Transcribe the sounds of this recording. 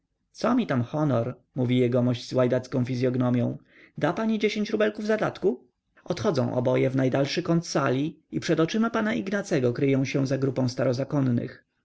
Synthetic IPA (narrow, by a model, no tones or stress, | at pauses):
t̪sɔmʲit̪amxɔnɔɾ | muvʲijɛɡɔmɔʑz̥wajd̪at̪skɔ̃w̃fʲizʲjɔɡnɔmʲjɔ̰̃w̃ | d̪apaɲid͡ʑeɕẽɲt͡ɕɾubɛlkuvzad̪at̪ku | ɔt̪xɔd̪zɔ̰̃w̃ʔɔ̰bɔjɛvnajd̪alʂɘkɔnt̪salʲi | ipʂɛd̪ɔt͡ʂɘmapanaiɡnat̪sɛɡɔkɾɘjɔ̃w̃ɕɛ̃zaɡɾupɔ̃w̃st̪aɾɔzakɔnːɘ̰x